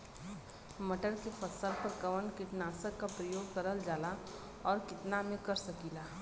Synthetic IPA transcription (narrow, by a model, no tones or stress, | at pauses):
mɐʈəɾkefɐsəɾpəɾkɐʋənkɪʈnaːsəkːapɾəjoːɡkəɾəld͡ʒaːla | ɔːɾkɪt̪namẽkɐɾsəkiːlaː